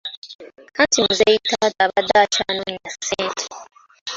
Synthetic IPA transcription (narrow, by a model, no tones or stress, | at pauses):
kantimuzejitadaβadat͡ʃanuɲinaseːntʰe̥